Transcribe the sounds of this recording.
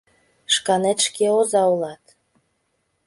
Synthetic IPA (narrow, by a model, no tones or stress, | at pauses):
ʃkɑnet̪ʃkeozɑulɑt̪